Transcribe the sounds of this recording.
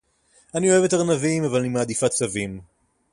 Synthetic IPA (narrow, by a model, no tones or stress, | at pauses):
anio̞eve̞taʁnavimavalnimaːd̪ifat͡savim